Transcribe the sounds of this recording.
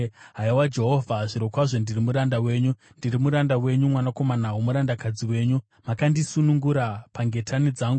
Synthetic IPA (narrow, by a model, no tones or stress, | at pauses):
ɦaiwad͡ʒe̞ɦo̞vʱaʐiɾokwaʐo̞ndirimuɾandawe̞ːɲu | ndirimuɾandawe̞ɲumwanako̞manawumuɾandakad͡ziwe̞ːɲu | makandisunuŋɡuɾapaŋɡe̞tʰanid͡zaːŋɡu